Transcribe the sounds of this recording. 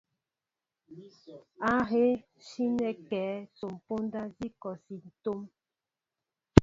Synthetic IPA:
a˦ɣe˦ | ʃi˦nɛ˨kɛː˨˦so˨m˨po˦n˦da˦zi˦kɔ˨si˨n̩˨to˦m

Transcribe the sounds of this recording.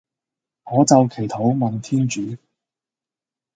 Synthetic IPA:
ŋɔː˨˧t͡sɐ˨wkʰe˨˩jt̪ʰo˨˥wmɐ˨nt̪ʰiː˥nt͡ʃyː˨˥

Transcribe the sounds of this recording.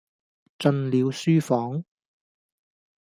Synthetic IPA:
t͡ʃɵ˧nliː˨˧wsyː˥fɔː˨˥ŋ

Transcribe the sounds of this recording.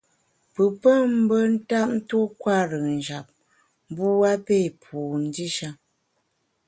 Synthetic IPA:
pɨ˨pə˦m̩˦bə˦n̩˦ta˦p̚n̩˦tu˦kwa˦˨ɾə˨ŋn̩˨d͡ʒa˨p̚ | m˦bu˦a˦pe˦˨pʰu˨n˦di˦ʃa˦

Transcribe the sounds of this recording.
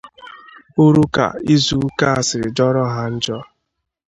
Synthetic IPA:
o˦ɾu˦ka̰˨i˦zu˨˦ka˦a˨sɪ˨ɾɪ˨d͡ʒɔ˦ɾɔ˦ɦa˦n̩˦d͡ʒɔ˦

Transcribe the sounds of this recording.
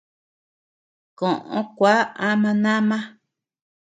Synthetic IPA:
kõ˨ʔõ̰˧kʷa˦a˦mã˧nã˦mã˦

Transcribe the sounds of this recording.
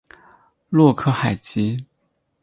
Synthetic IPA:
lwɔ˥˧kʰɤ˥˩xa˨˩ɪt͡ɕi˥

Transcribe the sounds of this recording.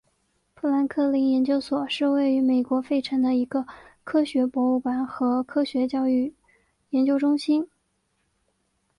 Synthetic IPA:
pʰu˥˩la˧˥nkʰɤ˥˩li˧˥njɛ˧˥nt͡ɕjo˥ʊswɔ˨˩ʂɻ̩˥˧we˥˩ɪy˧˥me˨˩ɪkwɔ˧˥fe˥˩ɪʈ͡ʂʰɤ˧˥ŋd̪ə˧i˧˥ɡə˧kʰɤ˥ɕɥɛ˧˥pwɔ˧˥u˥˩pa˧˥nxɤ˧˥kʰɤ˥ɕɥɛ˧˥t͡ɕjɑ˥˧ʊy˥˩ | jɛ˧˥nt͡ɕjo˥ʊʈ͡ʂʊ˥ŋɕi˥n

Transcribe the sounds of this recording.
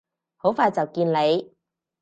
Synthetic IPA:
ho˨˥wfaː˧jt͡sɐ˨wkiː˧nle˨˧j

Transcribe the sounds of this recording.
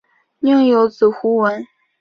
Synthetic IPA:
njɤ˥˩ŋjo˧˥ʊt͡sɹ̩˨˩xu˧˥wə˧˥n

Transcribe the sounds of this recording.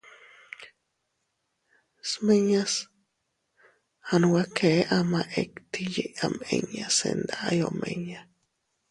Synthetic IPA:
smẽ˧ɲã˦s | ha˧nũ˧wa˦kʰe˨˦ʔa˧mã˧ʔe˧kt̪i˧je˧ʔa˧mẽ˧ɲã˧sḛ˧nd̪aʔa˦jo˧mʔẽ˧ɲã˧

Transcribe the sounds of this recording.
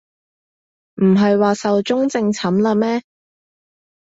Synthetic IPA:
m̩˨˩ɦɐ˨jwaː˨sɐ˨wt͡ʃʊ˥ŋt͡sɪ˧ŋt͡sʰɐ˨˥mlɐː˧mɛː˥

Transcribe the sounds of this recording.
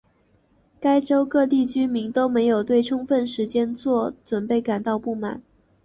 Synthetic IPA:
ka˥ɪʈ͡ʂo˥ʊkɤ˥˧t̪i˥˩t͡ɕy˥mi˧˥ŋt̪o˥ʊme˧˥ɪjo˨˩ʊt̪we˥˩ɪʈ͡ʂʰʊ˥ŋfə˥˩nʂɻ̩˧˥t͡ɕjɛ˥nt͡swɔ˥˩t͡swə˨˩npe˥˩ɪka˨˩nt̪ɑ˥˧ʊpu˥˩ma̰˨˩˦n

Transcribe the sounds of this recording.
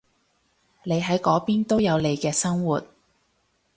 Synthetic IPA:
le˨˧jɦɐ˨˥jkɔː˨˥piː˥nt̪o˥wjɐ˨˧wle˨˧jkɛː˧sɐ˥ŋwuː˨t̚

